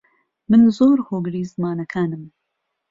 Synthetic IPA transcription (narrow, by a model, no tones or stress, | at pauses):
mɨnzoːɾhoːɡɨɾiːzmaːnɐkʰaːnɨm